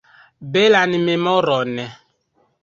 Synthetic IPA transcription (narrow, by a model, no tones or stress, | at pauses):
belanimemɔɾɔnɛ